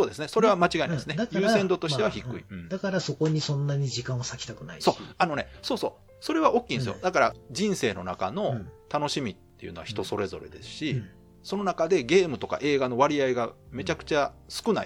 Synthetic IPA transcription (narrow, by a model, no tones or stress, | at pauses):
so̞ːd̪e̞sɨneso̞ɾe̞βamat͡ɕiɡaĩnsɨnejɯːse̞nd̪o̞t̪oiteaçikːɯ̰ḭ̃d̪akaɾaso̞ko̞ɲ̟isõ̞nːaɲ̟id͡ʑikãɰ̃osakʲi̥t̪akɯ̟na̰isoːano̞ne̞so̞ːso̞ː | so̞ɾe̞βaʔo̞kʲːĩːnesɨjo̰d̪akaɾa̰d͡ʑĩɰ̃se̞ːno̞̰naka̰no̞t̪ano̞ɕimʲit̪ːe̞̰jɯ̟no̞βa̰çi̥t̪o̞so̞ɾe̞zo̞̰ɾe̞̰d̪e̞̰sɨ̥ɕi | so̞no̞nakad̪e̞ɡe̞ːmɯ̟t̪o̞ka̰ʔe̞ːɡano̞βaɾʲiaiɡame̞t͡ɕakɯ̟̥t͡ɕasɨ̥kɯ̟na̰i